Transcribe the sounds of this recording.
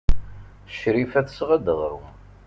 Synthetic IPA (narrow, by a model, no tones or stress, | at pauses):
ʃɾifæθə̥sʁəd̪əʁɾṵ